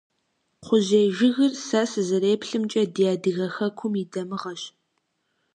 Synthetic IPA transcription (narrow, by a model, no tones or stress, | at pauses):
χʷʊʑejʒɪɣɨrsasɨzɨɾeːpɬɨmt͡ʃʼɐdijaːdɨɣɐxɐkʷʰʊmidɐmɨʁɐɕ